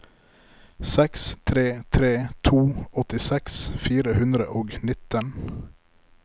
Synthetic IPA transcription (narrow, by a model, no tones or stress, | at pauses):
sɛkst̪ʰɾeːt̪ʰɾeːt̪ʰuːɔt̪ɪsɛksfiːɾəhʉnd̪ɾəʔoːɡnɪt̪ən